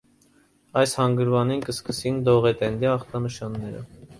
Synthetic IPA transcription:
ɑjshɑŋɡəɾvɑninkəskəsind̪ɔʁɛt̪ɛnd̪iɑχt̪ɑnəʃɑnːɛɾə̰

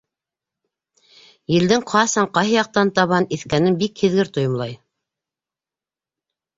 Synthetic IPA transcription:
jɘ̆ld̪ɘŋqʰɑsɑɴqɑjɦɤjɑq̚t̪ɑnt̪ɑβɑniθkænɘnbikhɘ̆ðɡɘɾt̪ŏjŏmlˠɑj

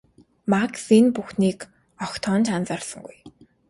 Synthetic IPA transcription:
maksinpuxniːk | ɔkt̪ʰɔːnt͡ɕʰant͡sarsə̆ŋɡuj

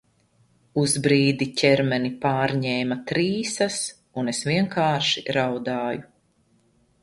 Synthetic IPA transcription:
uzbɾiːd̪icʲɛɾmɛnipaːɾɲɛːmat̪ɾiːsɐs | unesviɛŋkaːɾʃiɾawd̪aːju

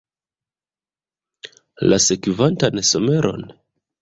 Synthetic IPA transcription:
lase̞kvantanso̞me̞ɾʔo̞̰n

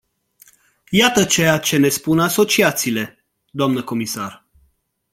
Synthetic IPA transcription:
jat̪ət͡ʃejat͡ʃe̞ne̞spunaso̞t͡ʃiat̪siːle̞ | d̪oamnəko̞misa̰r

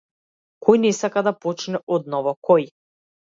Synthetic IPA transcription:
kɔjnɛsakad̪apɔt͡ʃnɛʔɔd̪̚nɔvɔkʰɔj

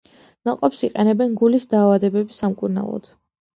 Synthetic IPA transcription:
naqʼɔpsiqʼɛnɛbɛnɡulisd̪aːvad̪ɛbɛbisamkʼuɾna̰lˠɔ̰d̪̥

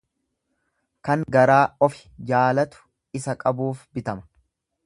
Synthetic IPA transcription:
kɐŋɡɐɾaːɔfɪ̥d͡ʒaːlɐt̪ʊ̥ | ɪsɐkʼɐbuːfbɪt̪ɐmɐ̥

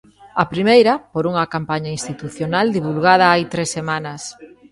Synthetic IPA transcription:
ɐpɾimejɾɐpoɾuŋɐkampaɲainst̪it̪uθjonald̪iβ̞ulɣaðɐajt̪ɾesːemanɐs

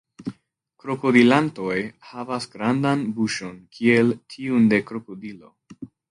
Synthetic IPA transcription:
kɾo̞kodilanto̞jhavasɡɾandanbuʃo̞nkʰieltʰiunde̞kɾo̞kodilo̞

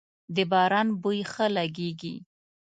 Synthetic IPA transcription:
d̪əbɑɾɑnbujxəlaɡeɡḭ

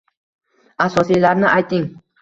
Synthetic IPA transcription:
asɒsilaɾnɪʔajt̪ʰɪŋ

